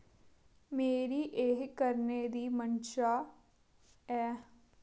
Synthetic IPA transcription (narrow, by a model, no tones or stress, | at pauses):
meːɾiːʔeɦkəɾned̪iːmənʃaː | ɛː